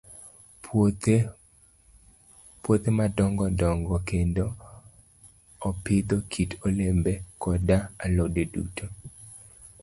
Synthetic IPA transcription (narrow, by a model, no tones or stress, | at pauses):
pwot̪emadɔŋɡɔdɔŋɡɔkendo | ɔpɪd̪okʰitolembɛkɔdaalodedṵtʰo